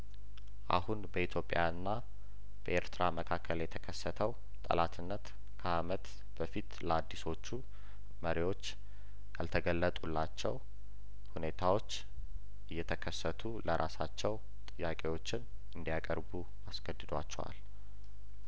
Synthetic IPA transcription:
ʔa̰hunbəit̪ʰjo̞pʼːjanːa | b̥əeɾt̪ʰɾaməkʰakʰːəljɛt̪ʰəkʰəsːət̪ʰəw | t̪ʼə̰lat̪ʰɨnːət̪ | kʰəamət̪ | b̥əfit̪ləad̪ːiso̞t͡ʃːu | məɾiwo̞t͡ʃː | jalt̪ʰəɡəlːət̪ʼulːat͡ʃːɛw | hune̞t̪ʰawo̞t͡ʃː | ʔɨjːɛt̪ʰəkʰəsːət̪ʰuləɾʔasat͡ʃːɛw | t̪ʼɨjːakʼe̞wo̞t͡ʃːɪn | ɨnd̪ijakʼəɾbu | asɡəd̪ɨd̪wa̰t͡ʃːɛwa̰l

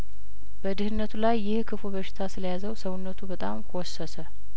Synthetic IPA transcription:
b̥əd̪ɨhɨnːət̪ʰulajːɪhkʰɨfobəʃɪ̥t̪ʰasɨləjazəwsəwʊnːət̪ʰubət̪ʼamkʰɔsːəsə

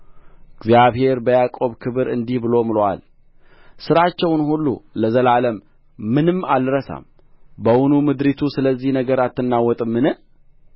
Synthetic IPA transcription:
ɪɡzjaβhe̞ɾbəjakʼo̞βkʰɨβɨɾɨnd̪ihbɨlo̞mɨlwa̰l | sɨɾat͡ʃːɛwnhulːṵləzəlaləmː | ɨnɨmːalɾəsa̰m | bəwʊnumɨd̪ɾit̪ʰusɨləzːihnəɡəɾat̪ːɨnːawɔt̪ʼɨmːɨnɨ

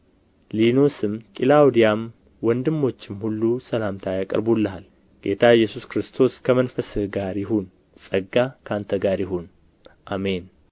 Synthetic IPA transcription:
lino̞sɨmkʼilawd̪ijam | wɔnd̪ɨmːo̞t͡ʃːɪmhulːusəlamt̪ʰajakʼə̰ɾbulːəɦal | ɡ̥e̞t̪ʰajːɛsuskɾɨst̪ʰo̞skʰəmənfəsɨhɡaɾjɪɦun | sʼəɡːakʰant̪ʰəɡaɾjɪɦun | ʔame̞n

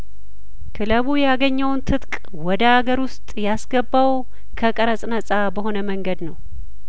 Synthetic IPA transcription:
kʰɨləβujaɡəɲːəwnt̪ʰɨt̪kʼ | wɔd̪əaɡəɾwʊst̪ʼjasɡəbːaw | kʰəkʼəɾəsʼnəsʼabəho̞nəməŋɡəd̪nəw

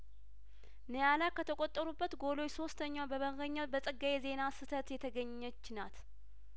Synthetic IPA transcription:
nəjalakʰːət̪ʰəkʼot̪ʼːəɾubːət̪ɡo̞lo̞t͡ʃːso̞st̪ʰəɲːabəməɣəɲːabəsʼɨɡːajeze̞nasɨt̪ʰət̪jɛt̪ʰəɡəɲːət͡ʃːnat̪

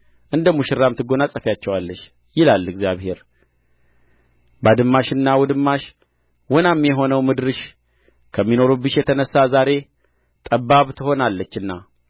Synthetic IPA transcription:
ʔɨnd̪əmːuʃɪɾːamt̪ʰɨɡo̞nasʼəfjat͡ʃːɛwalːəʃ | jɪlalːɨɡzjaβhe̞ɾ | bad̪ɨmːaʃɨnːawɔd̪ɨmːaʃ | wɔnamjɛɦo̞nəwmɨd̪ɾɨʃ | kʰəmːino̞ɾubɨʃjɛt̪ʰənəsːazaɾe̞ | t̪ʼəbːaβt̪ʰɨho̞nalːət͡ʃːɨnːa

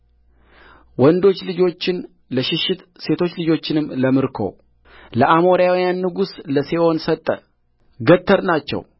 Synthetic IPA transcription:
wɔnd̪o̞t͡ʃːlɨd͡ʒo̞t͡ʃːɪn | ləʃɪʃːɪt̪se̞t̪ʰo̞t͡ʃːlɨd͡ʒo̞t͡ʃːɪnɨmːləmɨɾkʰo̞̰ | ləʔamo̞ɾijawijanːɨɡusləse̞ʔo̞nsət̪ʼːə̰ | ɡət̪ʰːəɾnat͡ʃːɛ̰w

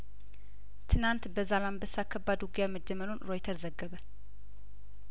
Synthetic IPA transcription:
t̪ʰɨnant̪bəzalambəsːakʰːəbːad̪uɡijaməd͡ʒːəməlonɾojt̪ʰəɾzəɡːəβə

